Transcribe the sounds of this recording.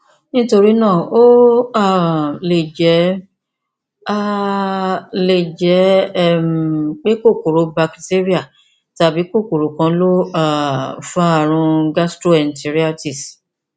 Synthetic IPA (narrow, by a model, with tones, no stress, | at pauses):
nĩ˦to˧ɾi˦nã˦˨o˦a˦˨le˨d͡ʒɛ˨˦ | a˦ | le˨d͡ʒɛ˨˦˨ | k͡pe˦ko˦˨ko˨ɾo˨˦ba˧kte˦ɾi˦a˦˨ | ta˧˦bi˨˦ko˦˨ko˨ɾo˨kã˧˦lo˦a˦˨fa˦a˧˨ɾ̃ũ˧ɡa˦stɾo˦ɛ˨n̩˨ti˧ɾi˦a˦ti˦˨s